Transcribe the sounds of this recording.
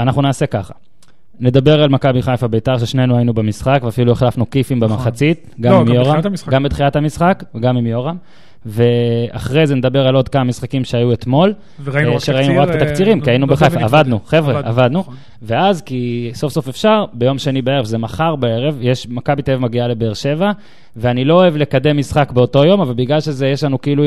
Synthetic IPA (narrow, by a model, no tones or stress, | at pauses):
anaχnunaːse̞kaχa | ne̞d̪abe̞ʁalmakabiχajfabejt̪aʁʃeʃne̞nuainubemisχakveafilueχlafnukifimbemaχat͡sit̪ɡamimjoʁaɡambet̪χiat̪hamisχakveɡamimjo̞ʁam | ve̞a̰χʁe̞jzened̪abe̞ʁalo̞d̪kamamisχakimʃeajuet̪mo̞l | ʃeʁainuʁaktet̪akt͡siʁimkiainubbeχefavad̪nuχevʁeʔavad̪nu | veazkiso̞fso̞fe̞fʃaʁbe̞jo̞mʃenibee̞ʁevzemaχaʁbae̞ʁe̞vjeʃmakabit̪eevmaɡiale̞beːʁʃe̞va | veanilo̞ːevle̞kade̞mːisχakbeo̞to̞jo̞mavalbiɡlalʃe̞zejeʃlanukeilu